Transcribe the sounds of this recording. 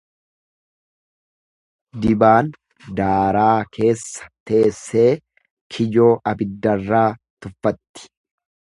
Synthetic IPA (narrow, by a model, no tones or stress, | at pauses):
d̪ɪbaːn | d̪aːɾaːkʰe̞ːsːɐ̥t̪e̞ːsːe̞ː | kʰɪd͡ʒo̞ːʔɐbɪd̪ːɐrːaː | t̪ʊfːɐt̪ːɪ̥